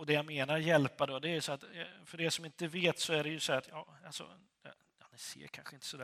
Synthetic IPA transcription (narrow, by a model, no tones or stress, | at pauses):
ɔd̪ɛjameːnaɾjɛlpːad̪ɔd̪ɛæjʉsɔat̪fœɖɛsɔmɪnt̪əveːt̪sɔæɖɛjɵsɔæːt̪jɑ̰ːalsɔ̰ | ja̰ | janɛsḛːkʰa̰nɧəɪnt̪ə̥sɔd̪æ